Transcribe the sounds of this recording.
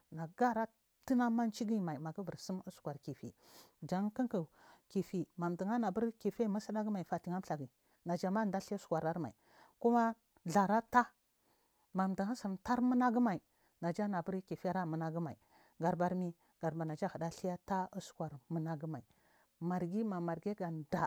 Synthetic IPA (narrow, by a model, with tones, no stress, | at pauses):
na˨ɡa˦ɾa˦ | ti˦na˦ma˦n˦t͡ʃi˦ɡi˦ma˨i˨ma˨ɡə˦və˨ɾsi˦mu˦skʷa˨ɾki˨fḭ˨d͡ʒa˨ŋ˦kə˦ku˨ki˨fi˨ma˨mdi˨ŋa˦na˨bə˦ɾki˨fe˦ma˦sa˦da˦ɡi˦ma˨i˨fa˨ti˨ŋa˦m˦ɬa˨ɡi˨ | na˨d͡ʒa˨ma˦˨n˨da˦ɬi˦a˦su̥˨kʷa˨ɾa˦ɾma̰˨i˨ | ku˦ma˦ | ɮa˨ɾa˦ta˦ | ma˨mda˨ŋa˦sə˨mta˦ɾmə˦na˦ɡi˦ma˨i˨ | na˨d͡ʒa˦na˨bə˦ɾki˨fi˦a˦ɾa˦˨mə˨na˦ɡə˦ma˨i˨ | ɡa˨ɾba˨ɾmi˦ | ɡ̥a˨ɾba˨na˨d͡ʒa˦hə˨da˦ɬi˦ja˦ta˦u˦su̥˨kʷa˨ɾmə˨na˦ɡi˦ma˨i˨ | ma˨ɾɡi˦ma˨ma˨ɾɡe˦ɡa˨n˨da˨